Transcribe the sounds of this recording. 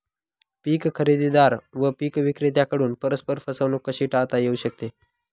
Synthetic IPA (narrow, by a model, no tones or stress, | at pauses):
piːkkʰəɾid̪id̪aɾʋəpiːkʋikɾet̪̬jakəɽuːnpəɾəspəɾfəsəʋnukːəɕiːʈat̪ajeuɕək̚t̪e